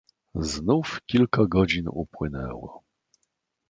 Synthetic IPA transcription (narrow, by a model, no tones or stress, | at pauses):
znufkʲilkaɡɔd͡ʑinṵpwɘnɛ̰wɔ̰